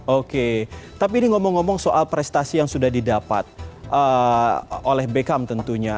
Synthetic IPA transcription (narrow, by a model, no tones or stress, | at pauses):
oket̪ap̬iːniŋomɔŋːomɔŋsoʔalpɾɛst̪asijaŋsudahdidapat̪̚ʔə | olɛhbekamt̪ənt̪uɲa